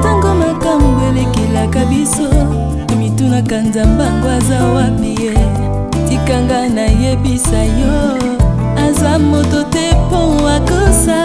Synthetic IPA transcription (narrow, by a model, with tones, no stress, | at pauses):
ta˦ŋɡo˦ma˨ka˦˨m˨ɡe˨le˦ki˨la˨ka˦bi˦so˦ | a˨mi˨tu˦na˨ka˨nza˨mba˦ŋɡo˦a˨za˦wa˦bi˨je˦ | ti˦ka˦ŋɡa˦na˨je˦bi˦sa˨jɔ˦ | a˨za˦mo˨to˦tɛ˦po˦˨wa˨ko˦sa˦